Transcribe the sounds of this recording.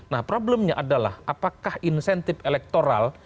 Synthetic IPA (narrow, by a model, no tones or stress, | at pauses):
nahpɾoblɛmɲaʔadala̰hʔapakahinsɛnt̪ɪfelɛk̚t̪oɾa̰l